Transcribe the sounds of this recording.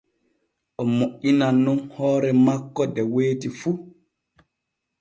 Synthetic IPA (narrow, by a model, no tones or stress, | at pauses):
ʔɔmoʔinanːunhɔːɾɛmakːɔdɛweːtifu